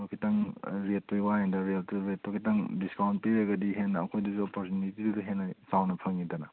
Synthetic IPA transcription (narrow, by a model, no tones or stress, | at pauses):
okʰitɐŋɾetːojwaendɐɾeltuɾetːokʰitɐŋdiskawnt̚piɾeɡɐdiɦenːɐːkʰojduzuopoɾtunitiduduɦenːɐsawnɐpʰɐŋidɐnɐ